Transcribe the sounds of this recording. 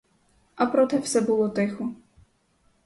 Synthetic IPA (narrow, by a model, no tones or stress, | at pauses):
ɐpɾɔt̪ɛwsɛbʊlˠɔt̪ɪxɔ